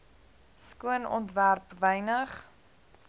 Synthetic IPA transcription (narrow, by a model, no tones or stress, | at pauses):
skuənɔ̰ntværpvɛjnəχ